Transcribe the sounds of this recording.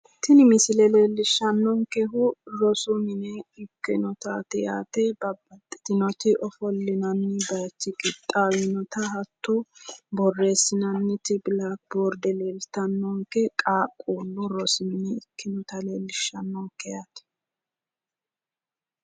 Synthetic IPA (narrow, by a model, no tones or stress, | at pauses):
t̪ːɪnɪmɪsɪlɛleːlːɪʃːɐnːɔŋkɛɦʊɾɔsʊmɪnɛɪkːɪnɔt̪aːt̪ɪja̰ːt̪ɛbɐbɐt̪ʼːɪ̥t̪ɪnɔt̪ɪʔɔfɔlːɪnɐnːɪbɐjt͡ʃːɪkʼɪt̪ʼːawɪnɔt̪ɐhɐt̪ʰːɔbɔrːe̞ːsːɪnɐnːɪt̪ɪblak̚boːɾd̪ɛleːlt̪ɐnːɔŋkɛkʼaːkʼːuːlːʊɾɔsʊmɪnɛɪkːɪnɔt̪ɐleːlːɪʃːɐnːɔŋkːɛjat̪ɛ̥